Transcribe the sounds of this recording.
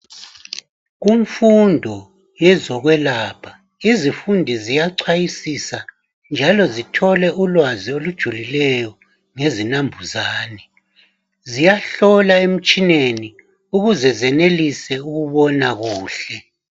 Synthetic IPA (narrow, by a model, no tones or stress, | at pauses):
ɣuɱfundʱɔ | jɛzɔɣwɛlaːpʰa | izifundʱizijaǀʰwajisisa | nd͡ʒʱalɔzitʰɔlɛʔulwaziolud̥ʒ̥ʱulilɛjɔ | ŋezinambʱuzaːnɛ | zijaɬɔlaem̩t͡ʃʼineni | uɣuzɛzɛnelisɛuɣuβɔnaɣuːɬɛ